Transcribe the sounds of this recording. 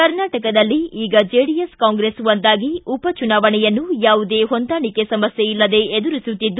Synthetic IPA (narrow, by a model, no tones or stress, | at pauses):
kɐɾnaːʈɐkɐd̪ɐlːiiːɡɐd͡ʒeːɽijeskaːŋɡɾeːsʋɐnd̪aːɡiupɐt͡ʃunaːʋɐɳɛjɐnːujaːʋud̪eːɦond̪aːɳikesɐmɐsjeilːɐd̪e̞ed̪uɾisut̪ːid̪ːu